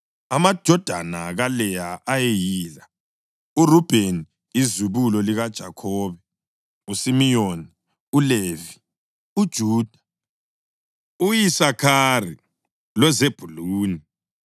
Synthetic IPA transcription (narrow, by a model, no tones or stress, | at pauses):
amad̥ʒ̥ʱɔd̥ʱa̰naɣalɛjaʔajejiːla | urub̥ʱeniː | zuβulɔliɣad̥ʒ̥ʱakʰɔːβɛ | usimijoni | uleːvi | ud̥ʒ̥ʱuːd̥ʱḁ | ujisakʰari | lwɛzeb̥ʱuluːni